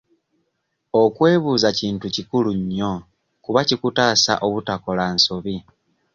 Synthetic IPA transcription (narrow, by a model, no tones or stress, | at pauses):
o̞kwe̞ːβuːzaciːntucikuluɲːo̞ | kuβacikutaːsa̰ʔo̞βutako̞lansoβi